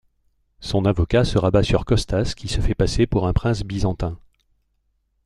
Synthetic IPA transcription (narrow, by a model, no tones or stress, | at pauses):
sɔ̃navɔkasəʁabasyʁkɔst̪askʲisəfɛpasepuʁɛ̃pχɛ̃sbizɑ̃t̪ɛ̃